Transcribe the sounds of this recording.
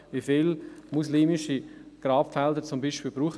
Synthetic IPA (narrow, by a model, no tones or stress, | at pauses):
ʋifilmusliːmɪʃiɡ̥ɾaːpfɛldəɾt͡sʊmbiːʃpiːlbɾuːχ